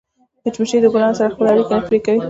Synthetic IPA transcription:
d̪̥ət͡ʃməʃejd̪əɡnɑnosaɾaxpəlaaɽikenafpɾekawi

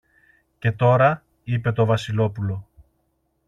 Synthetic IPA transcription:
ce̞t̪o̞ɾɐ | ipe̞t̪o̞vɐsilo̞pulo̞

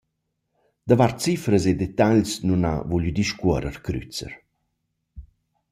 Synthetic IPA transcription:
d̪avaɾt͡sifɾəsed̪et̪aʎsnuna̰vulyd̪iʃkɔɾə̰ɾkɾy̰t͡sə̰ɾ

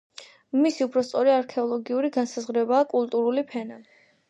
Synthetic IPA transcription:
misiupʰɾɔst̪sʼɔɾiaɾkʰɛɔlˠɔɡiuɾiɡansazʁɾɛbaːkʼulˠt̪ʼuɾulipʰɛna

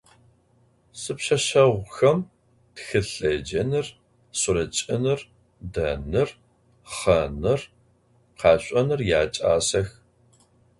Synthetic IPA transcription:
sɨpɕɐɕɐʁʷxɐm | txɨɬɐd͡ʒɐnɨr | sʷʊɾɐt͡ʃʼɐnɨr | dɐnɨr | χɐnɨr | qɑːɕʷʼɐnɨrjaːt͡ʃʼa̰ːsɐx

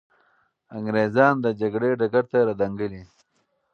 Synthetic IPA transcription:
aŋɡɾezɑːnd̪əd͡ʒaɡɽeɖaɡaɾt̪aɾad̪aŋɡəli

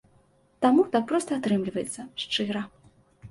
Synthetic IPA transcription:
t̪amut̪ak̚pɾɔst̪ɐat̪ɾɨmlʲivɐjɛt̪sːɐʂt͡ʂɨɾɐ

